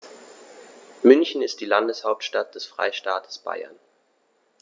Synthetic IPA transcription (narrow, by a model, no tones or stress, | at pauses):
mʏnçn̩ɪst̚d̥iːlandəshaʊp̚tʃtat̚d̥ɛsfʁ̥a̰ɪʃtaːtʰə̥sb̥a̰ɪɐ̰n